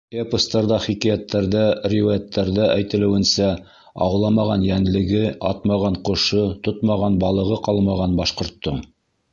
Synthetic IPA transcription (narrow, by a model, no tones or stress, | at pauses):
epost̪ɑɾðɑχikijæt̪ːæɾðærʲijɑt̪ʰːæɾðæʔæjt̪ɘ̆lɘ̆wɘ̆nsæ | ɑ̰wlˠɑmɑʁɑnjænlɘ̆ɡɘɑt̪mɑʁɑɴqŏʃɤt̪ot̪mɑʁɑnbɑlˠɤ̆ʁɤqɑlˠmɑʁɑnbɑʃqŏɾt̪ːoɴ